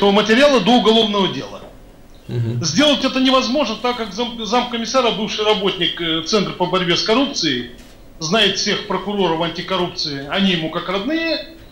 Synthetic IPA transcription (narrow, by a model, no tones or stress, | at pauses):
əvəmətʲɪɾʲɪalˠəd̪o̞ʊɡɐlˠo̞vnəvədʲe̞̰lˠə̰ | zʲdʲe̞lˠətʲɛt̪ənʲɪvɐzmo̞ʐnət̪akːakzamzamkəmʲɪsaɾɐbɨfʂɨjrɐbo̞tʲnʲɪkt̪sɛnt̪rpəbɐɾʲbʲe̞skɐɾup̚t̪sɨɪ | znajɪt̪fsʲe̞xpɾəkʊɾo̞ɾəvɐnʲtʲɪkɐɾup̚t̪sɨɪɐnʲijɪmukakrɐd̪nɨjə